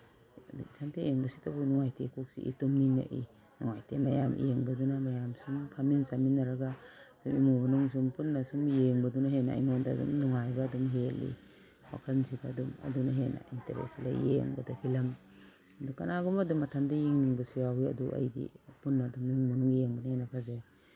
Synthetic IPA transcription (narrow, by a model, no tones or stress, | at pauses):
dṵŋitʰantʰejeŋbɐsi̥tabunɔŋajtʰekʰuk̚sḭʔḭtumniŋa̰ʔḭ | nɔŋajtʰemajamʔḭjeŋbɐdunamajamsuŋkʰaminsaminːaɾaɡasumimubɐnuŋs̬umpunːasumjeŋbɐdunaɦena̰iŋɔndadṵmnɔŋajbaːdɔmɦelḭ | wa̰kʰansibaːduma̰dunaɦena̰ʔinteɾḛsla̰jḛŋbadapʰilam | adukanaɡɔmadumatʰandajiŋniŋbasuɾaɦuja̰duʔa̰jdḭpunːaːdumnuŋbɔnuŋjeŋbanahenakʰaze